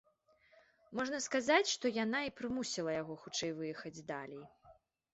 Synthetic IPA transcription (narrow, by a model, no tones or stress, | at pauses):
mɔʐnɐskazat͡sʲʂt̪ɔjanaipɾɨmusʲilˠɐjaɣɔxut͡ʂɛjvɨjɛxɐd͡zʲd̪alʲɛj